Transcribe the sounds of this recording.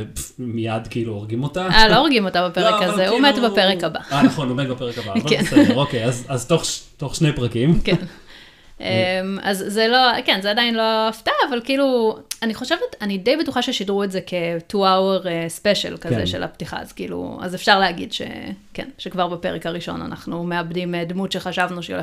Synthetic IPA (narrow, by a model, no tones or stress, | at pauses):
mijadkiiluoʁɡimotaʔalooʁɡimo̞tabapeʁekazeumetbapeʁekaba̰anaχonometbapeʁekabavkenʁokejazazto̞χto̞χʃnejpʁakimken | ʔema̰zːelo̞kenzeadainlo̞aftaːvalkiiluaniχo̞ʃevetanide̞jbetuχaʃeʃidʁuetzekʰe̞tuaweʁespeʃḛlkazḛʃe̞la̰ptiχa̰a̰zkḭːlṵa̰zefʃaʁleaɡidʃḛkḛnʃekvaʁbape̞ʁekaʁiʃo̞̰na̰nʔa̰χnume̞abdimedmutʃe̞χaʃavnuʃḛ